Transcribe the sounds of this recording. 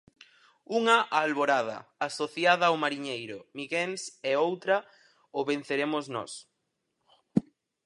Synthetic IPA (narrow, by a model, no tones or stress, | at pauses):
uŋɐʔaːlβoɾað̞ɐ̰asoθjaðɐːwmaɾiɲejɾʊmiɣensɛowt̪ɾɐ | oβen̟θeɾemʊznɔ̰s